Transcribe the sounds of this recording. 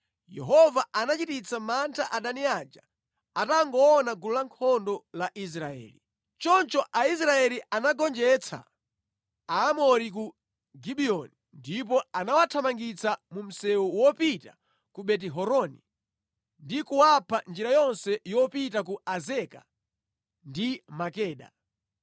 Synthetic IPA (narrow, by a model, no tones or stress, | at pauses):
jɛ̰ɦɔvaanat͡ʃitit͡samantʰaʔaɗaniad͡ʒa | ataŋɡɔːnaɡululaŋkʰɔndɔlaʔis̬ɾaɛ̰ːli | t͡ʃɔnt͡ʃɔʔais̬ɾaɛlianaɡɔnd͡ʒɛt͡sʰa̰ | aːmɔɾik̬u | ɡiɓiɔnindip̬ɔanawatʰamaŋɡit͡sʰamum̩sɛwuwɔpita | kuɓɛt̬ɛɦɔɾɔnḭ | ndikuwapʰand͡ʒiɾajɔnsɛjɔpitak̬uazɛka | ndimakɛːɗa̰